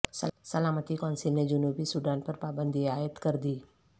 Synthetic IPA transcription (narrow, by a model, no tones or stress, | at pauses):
səsəlaːmət̪ikɔ̃ːnsɪlned͡ʒʊnuːbisuːɖaːnpɐɾpaːbə̃nd̪ʱiaːjət̪kɐɾd̪iː